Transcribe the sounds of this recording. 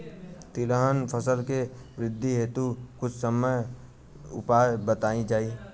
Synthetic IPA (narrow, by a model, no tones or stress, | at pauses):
t̪ɪləɦənpʰəsəlkeʋɾɪd̪ʱːiɦeːt̪ukʊt͡ʃʰsəməj | ʊ̰paːjbət̪aːid͡ʒaːi